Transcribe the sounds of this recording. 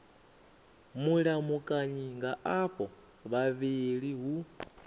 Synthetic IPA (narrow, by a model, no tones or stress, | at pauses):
muɺamukʼaɲiŋɡaaɸʼɔ | βaβiɺiɦu